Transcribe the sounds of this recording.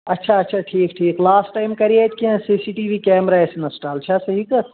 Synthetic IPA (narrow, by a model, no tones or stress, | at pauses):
ɐtːʃʰaɐtːʃʰaʈʰiːkʈʰiːklaːsʈːajmkɐɾijat̪kiãsisiʈiːʋikeːmɾaesnɐsʈaːlt͡ʃʰasɐɦik